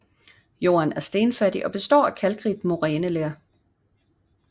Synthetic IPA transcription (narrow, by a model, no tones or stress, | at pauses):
jo̝̰ːɐnæɐsd̥e̝ːnfæd̥iʔɒ̽b̥e̝sd̥ɒ̰ːækʰælɡ̥ʁid̥mo̝ʁɛːnəleɐ